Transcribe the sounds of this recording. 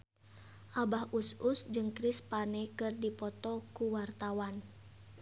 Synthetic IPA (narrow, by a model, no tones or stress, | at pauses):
ʔabahususd͡ʒɨŋkɾispanɛkɨrdipɔt̪ɔkuwart̪awan